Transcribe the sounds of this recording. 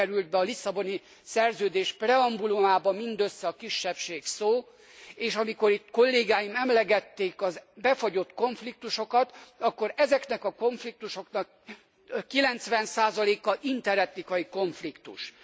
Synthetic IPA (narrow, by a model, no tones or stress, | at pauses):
ɛɾyld̪̚bɛɒlisːɒbo̞ni | sɛrzøːd̪eːʃprɛɒmbulumaːbɒmind̪øsːɛɒkiʃːɛpʃeːksoː | eːʃɒmiko̞ɾit̪ko̞lːeːɡaːjimɛmlɛɡɛt̪ːeːkɒzbɛfoɟo̞t̪ko̞ɱflik̚t̪uʃo̞kɒt̪ɒkːo̞ɾɛzɛknɛkɒko̞ɱflik̚t̪uʃo̞knɒkː | ilɛnt̪sʋɛnsaːzɒleːkɒʔint̪ɛɾɛt̪nikɒjiko̞ɱflikt̪ṵʃ